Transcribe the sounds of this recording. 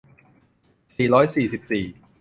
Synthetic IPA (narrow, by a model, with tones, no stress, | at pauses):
siː˨˩ɾɔː˦˥jsiː˨˩si˨˩p̚siː˨˩